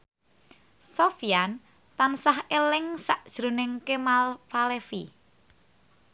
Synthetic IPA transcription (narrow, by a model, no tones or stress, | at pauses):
sofian | t̪ansahelɪŋsaʔd̥ʒ̥ɾṳnɪŋkemalfalefi